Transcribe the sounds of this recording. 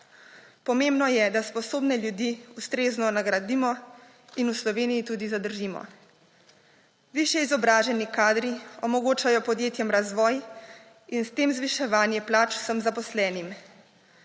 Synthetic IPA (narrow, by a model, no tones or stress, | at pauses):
pɔmembnɔjɛd̪aspɔsoːbnɛljud̪iust̪ɾeːznɔnaɡɾad̪iːmɔ | inuslɔʋeːnijit̪uːd̪izad̪əɾʒiːmɔ̰ | ʋiʃjɛizɔbɾaːʒɛnikaːd̪ɾiɔmɔɡoːt͡ʃajɔpɔd̪jeːt̪jɛmɾazʋɔːj | inst̪eːmzʋiʃɛʋaːnjɛplaːt͡ʃu̥səmzapɔslɛːnim